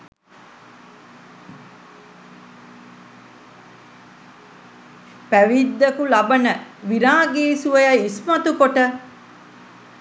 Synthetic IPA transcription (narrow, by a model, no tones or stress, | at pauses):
pæʋid̪ːɐkulɐbɐnəʋiɾaːɡeːsuʋɐjɐismɐt̪ukoʈə